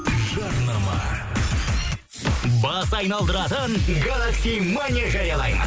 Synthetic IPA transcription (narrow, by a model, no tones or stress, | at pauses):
ʒɑɾnɑmɑ̰ | bɑsɑjnɑlˠd̪əɾɑt̪ənɡalˠaksʲijmanʲiaʒɑɾjɑlˠɑjmə̰n